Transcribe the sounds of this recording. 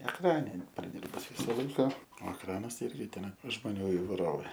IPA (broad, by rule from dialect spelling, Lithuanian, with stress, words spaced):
ɛkˈrɑːnʲɛ ˈɪn prɐˈdʲiːrbʊs ˈʋʲiːsɐ ˈlˠɐɪkɐ oː ɛkˈrɑːnɐs ˈɪrʲɡʲɪ ˈtʲɛn ʒmoːˈnʲuː ɪʋɐɪˈroːʋʲeː